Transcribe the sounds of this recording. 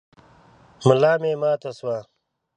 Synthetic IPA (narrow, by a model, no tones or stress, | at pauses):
mulaːmeːmaːt̪ʰoswaː